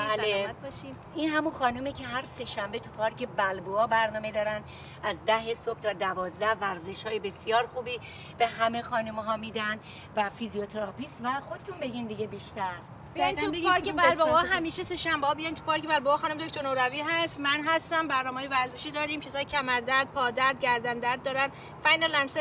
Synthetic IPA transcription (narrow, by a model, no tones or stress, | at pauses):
bæleæt̪̚bɒʃi | inɦæmunxɒːnumicʰe̞ɦæɾse̞ʃæmbet̪ʰupʰɒːɾkʰe̞bælboɒːbæɾnɒːme̞d̪ɒːɾæn | ʔæzd̪æɦesob̥̚t̪ʰɒːd̪ævɒːzd̪æhvæɾze̞ʃhɒːjebe̞sijɒːɾxuːbiː | b̥e̞ɦæme̞xɒːnumɦɒːmiːd̪æn | væfizijot̪ʰeɾɒpiːst̪væxo̞d̪et̪ʰunbe̞ɟiːnd̪iɟebiːʃt̪æɾ | bejnt̪ubeɡɒɾkʲebælboɒːɦæmiːʃese̞ʃæmbeɒːbid̪ænt̪ʰu̥pɒɾkʰe̞bælboɒːxɒːnumed̪okt̪ʰoɾnoɾæviːɦæst̪mænɦæst̪æmbæɾnɒːmeːjevæɾzeʃiːd̪ɒːɾiːmcʰesɒːjecʰæmæɾd̪æɾd̪̚pʰɒːd̪æɾd̪̚ɟæɾd̪ænd̪æɾd̪ːɒːɾæn | fæjnælænse